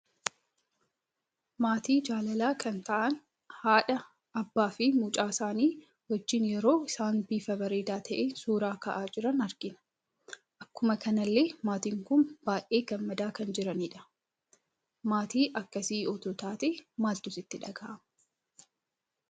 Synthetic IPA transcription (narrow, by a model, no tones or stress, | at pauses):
maːt̪iːd͡ʒaːlɐlaːkɐnt̪ɐʔɐn | haːᶑɐ | ʔɐbːaːfɪmuːt͡ʃʼaːsaːniː | wɔd͡ʒːɪnjɛɾo̞ːɪsaːnbiːfɐbɐɾeːd̪aːt̪ʰɐʔeːsuːɾaːkɐʔaːd͡ʒɪɾɐnɐɾɡɪnɐ̥ | ʔɐkːʊmɐkɐnɐlːe̞ːmaːt̪iːŋkʊnb̥aːʔe̞ːɡɐmːɐd̪aːkɐnd͡ʒɪɾɐniːᶑɐ̥ | maːt̪iːʔɐkːɐsiːɔt̪oːt̪aːt̪eːmaːlt̪ʊsɪt̪ːɪᶑɐɡaːʔɐmɐ